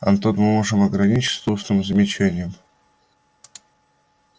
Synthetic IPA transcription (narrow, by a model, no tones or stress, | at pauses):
ɐ̰nt̪ot̪mɨmoʐɨmɐɡɾɐnʲit͡ɕst̪uʂnɨmzəmʲɪt͡ɕænʲɪjəm